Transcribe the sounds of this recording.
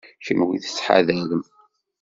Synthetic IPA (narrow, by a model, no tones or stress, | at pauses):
çəmwiθə̥t͡sːħa̰ðæləm